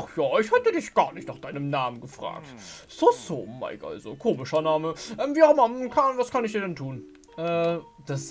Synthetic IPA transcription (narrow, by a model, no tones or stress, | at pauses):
χjaːʔɪçhɛtədɪçɡ̥aːɐnɪçtnaːχd̥aɪnəmnaːmənɡəfʁ̥a̰ːk̚tz̥osoːma̰ɪkʔa̰lzo̰kʰoːmɪʃɐnaːməʔɛːmviːmakʰanvaskʰanɪçd̥iːɐdɛntʰuːn | ʔɛːd̥as